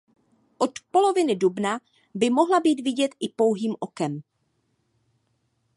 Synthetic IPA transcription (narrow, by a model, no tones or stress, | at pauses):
ʔot̪po̞lo̞vɪnɪdubna | bɪmo̞ɦlabiːd̪vɪɟɛt̪ʔɪpo̞wɦiːmʔokɛm